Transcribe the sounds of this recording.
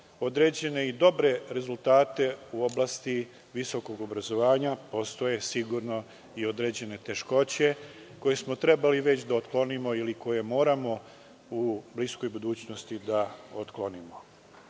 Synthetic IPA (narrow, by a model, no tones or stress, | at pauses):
o̞d̪ɾe̞d͡ʑe̞ne̞id̪o̞bɾe̞ɾe̞zulˠt̪aːt̪e̞uo̞blˠast̪i | ʋiso̞ko̞ɡo̞bɾazo̞ʋaːɲapo̞st̪o̞je̞siɡuɾno̞ | io̞d̪ɾe̞d͡ʑe̞ne̞t̪e̞ʃko̞t͡ɕe̞ | ko̞je̞smo̞t̪ɾe̞baliʋe̞t͡ɕd̪aot̪klo̞nimo̞iliko̞je̞mo̞ːɾamo̞ | ublisko̞jbud̪uːt͡ɕno̞st̪id̪ao̞t̪klˠo̞nimo̞